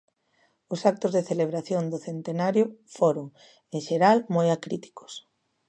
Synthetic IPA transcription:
ʊsak̚t̪ʊzðeθeleβ̞ɾaθjond̪oθent̪enaɾjʊfoɾoŋ | eŋʃeɾalmojakɾit̪i̥kʊ̥s

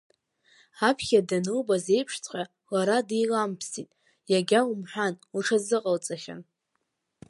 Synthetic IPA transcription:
apʰχʲadanɨlbaze̞jpʰʂt͡sʼqʲʼa | laɾadejlampʰsitʼ | jaɡʲaumħʷᶣanuʈ͡ʂʰazɨqʼalt͡sʼaχʲa̰n

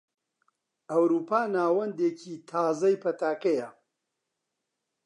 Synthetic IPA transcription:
ɐwɾuːpaːnaːwɐnd̪eːkʰiːt̪ʰaːzɐjpʰɐt̪aːkɐjɐ

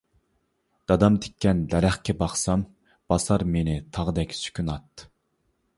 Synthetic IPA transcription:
d̪̥ɑd̪ɑmt̪ʰe̥kʲʰːɛnd̪ɛɾæχkʲɛbɑχsɑm | b̥ɑsɑɾmenɪt̪ʰɑʁd̪ɛkʲsy̥kʲʰynɑt̪ːɨ̥

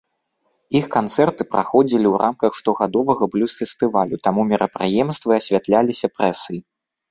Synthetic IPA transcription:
ixkant̪sɛrt̪ɨpɾʔa̰xɔd͡zʲilʲiwɾʔa̰mkɐxʂt̪ɔɣad̪ɔvɐɣɐblʲusfʲɛst̪ɨvalʲut̪amumʲɛɾʔɐpɾɨjɛmst̪vɨɐsʲvʲat̪lʲalʲisʲɐpɾɛsɨi

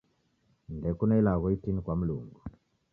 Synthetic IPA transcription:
ndɛkunɛilaɣɔitinikwam̩lṵŋɡu

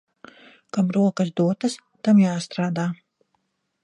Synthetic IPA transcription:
kamɾuɔkɐsd̪uɔt̪ɐs | t̪amjaːst̪ɾaːd̪aː

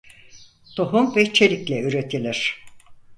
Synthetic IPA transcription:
t̪ʰoɦumvɛt͡ʃʰe̞lʲiclʲɛyɾet̪ʰilʲiɾ̥

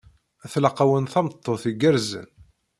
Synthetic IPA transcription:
æθləqːawənθɑmət̪ˤːoθiɡəɾzə̰n

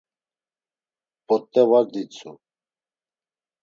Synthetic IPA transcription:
pɔt̪ʼːɛvaɾd̪it͡sʰu

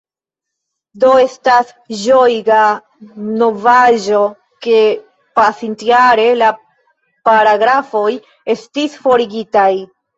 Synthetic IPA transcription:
do̞e̞stas | ʒo̞jɡa | no̞vaʒo̞ | ke̞ | pasintiaɾe̞la | paɾaɡɾafo̞j | e̞stisfo̞ɾiɡitaj

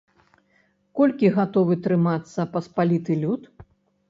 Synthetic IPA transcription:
kɔlʲkʲiɣat̪ɔvɨt̪ɾɨmat̪sːɐpɐspalʲit̪ɨlʲut̪

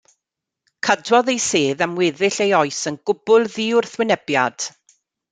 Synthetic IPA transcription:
kʰadwɔðejseːðamwɪːðɪɬejɔɨsənɡʊbʊlˠðiːʊrθwɪnɛbjad̥

